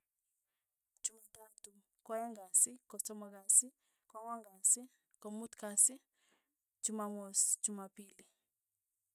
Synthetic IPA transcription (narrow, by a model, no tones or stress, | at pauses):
d͡ʒumatatu | kwɔjaŋɡasikɔt͡ʃɔmakasi | kwaŋaŋɡasi | kɔmutkasɪ | t͡ʃumamɔsd͡ʒumapili